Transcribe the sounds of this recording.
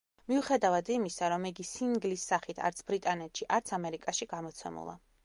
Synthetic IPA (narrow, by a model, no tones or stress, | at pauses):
miuχɛd̪avad̪imisaɾɔmiɡisiŋɡlisːaχit̪ʰa̰ɾt̪sʰbɾit̪ʼanɛt̪ʰʃiʔaɾt̪sʰamɛɾikʼaʃiɡ̥amɔt̪sʰɛ̰mṵlˠa̰